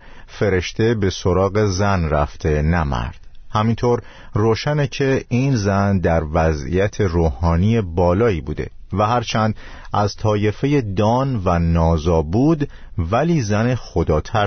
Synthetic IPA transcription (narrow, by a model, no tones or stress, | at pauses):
fe̞ɾe̞ʃt̪e̞be̞so̞ɾɒːɣe̞zænræft̪ʰe̞næmæ̰ɾd̪̥hæmint̪ʰoɾ | roːʃænecʰe̞inzænd̪æɾvæzḭjæt̪ʰe̞roːhɒːnije̞bɒːlɒːiːbuːd̪e̞̰ | væɦæɾt͡ʃʰænd̪ | ʔæzt̪ʰɒːje̞fe̞je̞d̪ɒːnvænɒːzɒːbuːd̪ | væliːzænexo̞d̪ɒːt̪ʰæ